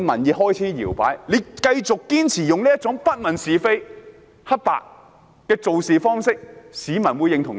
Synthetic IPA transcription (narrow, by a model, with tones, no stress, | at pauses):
mɐ̰˨˩njiː˨˧ɦɔː˥jt͡sʰiː˨˥jiː˨˩wpa̰ː˨˥jle˨˧jkɐ˧jt͡sʊ˨kːiː˥nt͡sʰiː˨˩jʊ˨ŋliː˥jɐ˥t̚t͡sʊ˨˥ŋpɐ˥t̚mɐ˨˩nsiː˨fe˥j | hɐ˥t̚pa̰ː˨k̚ | kɛː˧t͡so˨wsiː˨fɔː˥ŋsɪ˥k̚siː˨˧mɐ˨˩nwu˨˧jɪ˨˧ŋt̪ʰʊ˨˩ŋ